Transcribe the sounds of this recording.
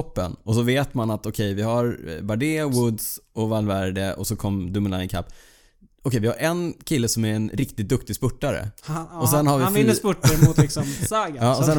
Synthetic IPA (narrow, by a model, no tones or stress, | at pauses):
ɔpːə̰nɔs̬ɔveːt̪manat̪ɔkʰɛjvɪhaɾbaɖeːɔwʊd̪sɔvalvaæɾɖɛʔɔsɔkʰɔmːd̪ɵmɪnajnkʰa̰pː | ɔkʰɛjvɪhaɾʔɛnkʰɪlːəsɔmæɾɛnɾɪk̚t̪ɪt̪̚d̪ɵkt̪ɪɡspɵʈːaɾə̰ɔsɛnːhaɾvɪɪnːəspʊʈːaɾəmʊt̪ɪksɔmsaɡaɑːɔsɛn